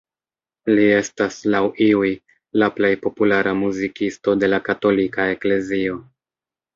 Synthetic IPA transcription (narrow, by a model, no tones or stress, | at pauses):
lie̞staslawiuj | laple̞jpo̞pulaɾamuzikisto̞de̞lakato̞likae̞kle̞zio̞